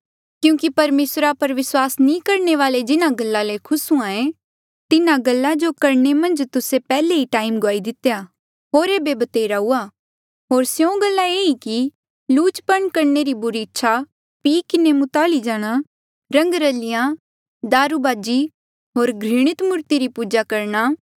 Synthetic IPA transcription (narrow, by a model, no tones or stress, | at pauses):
kjũːkipɐɾmeːsɾapɐɾʋɪswaːsnĩːkɐɾneʋaːled͡ʒɪnãɡɐlːalekʰʊsũãːẽ | t̪ɪnãɡɐlːad͡ʒokɐɾɳemɐ̃nd͡ʒt̪ʊsepɛːleɦiʈaːɪmɡʊaːid̪ɪt̪ejaː | ɦoːɾeːbeːbɐt̪eːɾaɦuaː | ɦoːɾsjõɡɐlːaeiki | luːt͡ʃpɐɳ̃kɐɾneɾibʊɾiɪtːʃʰa | piːkɪnemʊt̪aːlid͡ʒaːɽ̃a | ɾɐ̃ŋɡɾəlɪjã | d̪aːɾubaːd͡ʒi | ɦoːɾɡʱɾɪɽ̃ɪt̪mʊɾt̪iɾipuːd͡ʒakɐɾña